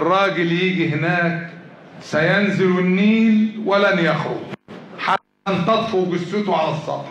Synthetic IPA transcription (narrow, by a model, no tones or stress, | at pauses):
rˤːɑːɡɪljiːɡiɦɪnæːk̚sæjænzɪlɪnːiːlwɪlænjæxɾʊ̰ɡħaːnt̪ɑt̪ˤfubɪsːʊt̪uʕalɑsˤːɑ̰b